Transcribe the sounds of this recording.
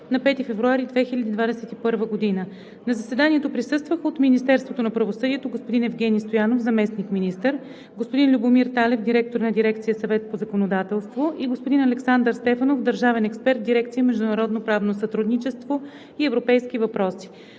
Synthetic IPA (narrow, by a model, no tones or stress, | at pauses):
nɐpɛt̪ifɛvɾuaɾid̪vɛxilʲəd̪iːd̪vad̪ɛsɛt̪ipɤɾvəɡod̪inə | nɐzɐsɛd̪aniɛt̪opɾisɤst̪vəxot̪minist̪ɛɾst̪vot̪onɐpɾɐvosɤd̪iɛt̪oɡospod̪inɛvɡʲɛnʲist̪ojanofzɐmɛsnikminist̪əɾ | ɡospod̪inlʲubomiɾt̪alɛfd̪iɾɛk̚t̪oɾnɐd̪iɾɛkt̪sijəsɐvɛt̪əpozɐkonod̪at̪ɛlˠst̪voʔiɡospod̪inɐlɛksand̪əɾst̪ɛfɐnofd̪əɾʒavɛnɛkspɛɾt̪̚d̪iɾɛk̚t̪sijəmɛʒd̪ʊnɐɾɔd̪nopɾavnosɐt̪ɾud̪nit͡ʃɛst̪vo | iɛvɾopɛjsk̟ivɐpɾɔsi̥